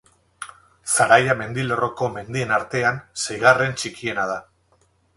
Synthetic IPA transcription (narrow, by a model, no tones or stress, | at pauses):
saɾajame̞nd̪ilo̞ro̞ko̞me̞nd̪ie̞naɾt̪e̞ansajɣare̞nt͡ʃikie̞nað̞a